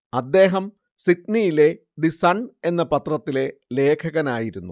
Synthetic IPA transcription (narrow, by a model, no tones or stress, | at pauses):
ɐd̪ːe̞ːɦɐm | sitnijile̞ | d̪isɐɳe̞nːɐpɐt̪rɐt̪ːile̞le̞ːkʰɐɣɐnaːjiɾunːu